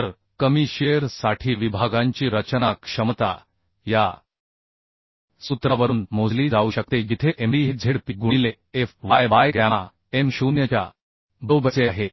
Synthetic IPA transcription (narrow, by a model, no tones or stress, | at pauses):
əɾ | kəmiɕeɾsaʈʰiːʋibʱaɡãɲt͡ɕiːɾət͡ɕənakʂəmt̪a̰ | ja̰ | sut̪ɾaʋəɾuːnmod͡zliːd͡zauːɕək̚t̪ed͡ʑit̪ʰeʔemiːɦid͡zʱeɽpiɡuɽ̃ile | efʋajʋajɡaa | emɕunjət͡ɕja̰ | bəwbʱət͡seaɦe